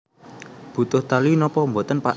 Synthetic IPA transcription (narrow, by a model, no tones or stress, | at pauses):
b̥ṳt̪ʊht̪alinɔpɔmbot̪ənpa